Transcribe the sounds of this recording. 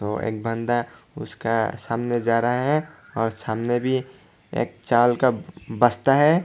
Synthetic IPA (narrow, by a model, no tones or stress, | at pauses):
t̪oḛːk̚bə̃nd̪aʊ̰skasaːmned͡ʒaːɾəɦeɦɛ̃ | ɔːɾsaːmnebʱi | ḛːk̚t͡ʃaːlkabəst̪aɦɛ